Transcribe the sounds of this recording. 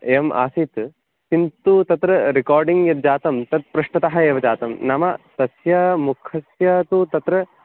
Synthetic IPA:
ema̰ːsit̪ | sint̪ut̪ɐt̪ɾɐɾikaːɾɖiŋɡjɐt̪d͡ʒaːt̪ɐmt̪ɐt̪̚pɾɐʂʈɐt̪ɐɦɐeːʋɐt͡ʃaːt̪ɐmnɐmɐt̪ɐsjɐmukʰɐsjɐt̪ut̪ɐt̪ɾɐ

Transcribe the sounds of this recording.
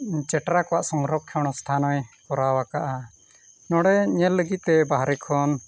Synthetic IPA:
t͡ʃɛʈɾakɔwaʔsɔŋɾɔkʰːɔɽ̃ɔst̪ʰanɔjkɔɾawakaʔa | nɔɽɛɲɛlːəɡit̪̚t̪ɛbaɦɾɛkʰɔn

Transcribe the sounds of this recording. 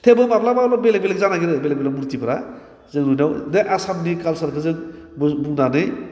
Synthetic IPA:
t̪ʰebɯmaplabalabelekbelekzanaɡiɾɯbelekbelamuɾt̪ipʰɾa | zɯŋɾunawd̪eʔasamnikalsaɾkʰɯzɯŋbbunanɯj

